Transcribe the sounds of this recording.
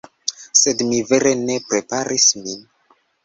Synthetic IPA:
se̞dmive̞ɾene̞pɾe̞paɾismin

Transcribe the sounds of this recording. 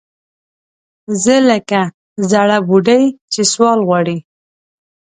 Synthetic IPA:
zələka | zaɽabuɖajt͡ʃeswɑlɣwɑɽi

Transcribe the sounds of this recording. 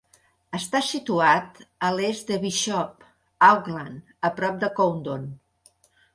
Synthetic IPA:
əst̪asit̪uat̪əlezd̪əβiʃɔp | awɣlan | əpɾɔp̚d̪əkownd̪on

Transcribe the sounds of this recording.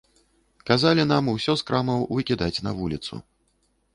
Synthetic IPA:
kazalʲin̪amusʲɔskɾamɐwvɨkʲid̪at͡sʲnɐvulʲit̪sṵ

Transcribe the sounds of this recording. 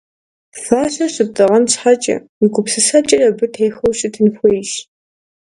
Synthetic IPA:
faːɕɐɕɪp̚tʼɨʁɐnɕħat͡ʃʼɐ̰ | iɡʷʼʊpsɨsɐt͡ʃʼɐrɐbɨtʰejxɐwɕʼɪtʰɨnxʷɔjɕ

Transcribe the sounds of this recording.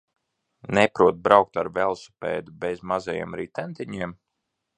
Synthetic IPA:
nɛpɾuɔt̪̚bɾawk̚t̪aɾvɛlˠsu̥pɛ̰ːd̪ubɛjzmazajḭɛmɾiːt̪ɛnt̪iɲiɛm

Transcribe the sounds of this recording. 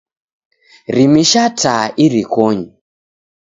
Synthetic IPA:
rimiʃatʰaʔiɾikɔɲi

